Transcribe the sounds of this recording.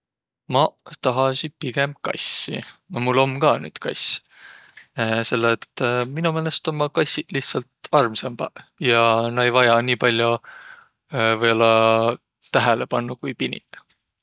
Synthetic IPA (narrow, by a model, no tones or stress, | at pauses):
mɑt̪ɑɦɑsipiɡ̥e̞mb̥̚kɑ̰jsːḭnɑmulːo̞mːkɑːny̰ːd̪̥kʰɑjs | se̞lːeet̪ːminumeːle̞st̪o̞mːɑkɑjsiliht̪sɑlt̪ɑrmsemb̥ɑjɑnɑe̞jvɑjɑniːpɑlʲjo | vɤjo̞lːɑ | t̪æɦælepɑnːukujpinḭ